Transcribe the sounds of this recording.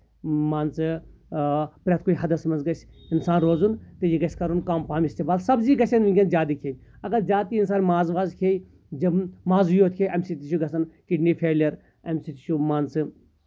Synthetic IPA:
maːnsɨ | pɾʲɐt̪̚koːiɦɐd̪ɐsmɐnzɡɐsinsaːnɾoːzunt̪ejiɡɐsʲkɐɾunkaːmpaːmist̪eːmaːlsɐbziːɡɐsɐnʋiŋɡʲɐnzʲaːt̪iːkʰeː | ɐɡɐɾzʲaːt̪iinsaːnmaːzʋaːzkʰeːj | d͡ʒɐbmaːzujoːt̪ʰkʰeʔɐmsit̪iʃuɡɐsɐnkiɖniːpʰeːljɐɾ | ɐmsit̪i̥ʃʰumaːnsɨ

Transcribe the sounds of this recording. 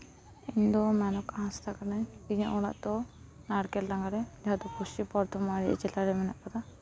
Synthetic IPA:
ind̪ɔmɛnɔkaɦãst̪akanɛiɲaʔɔɽa̰ʔt̪ɔ | naɽkɛllaŋɡaɾɛd͡ʒaad̪ɔpusipɔɾt̪ʰɔmaɾḭt͡ʃɛlaɾɛmɛnɛʔpɔt̪a

